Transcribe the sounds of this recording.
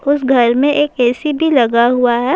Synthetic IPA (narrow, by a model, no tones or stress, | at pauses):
ʊsɡʱɐɾmẽʔeːkɛːsibʱilɐɡaɦuaɦɛː